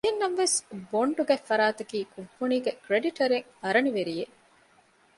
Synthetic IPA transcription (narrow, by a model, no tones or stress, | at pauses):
ɦenːɐʋʋesboɳɖuɡæfːɐɾaːt̪ɐkiːkubːuniːɡekɾeɖiʈɐɾeŋ | ɐɾɐniʋeɾije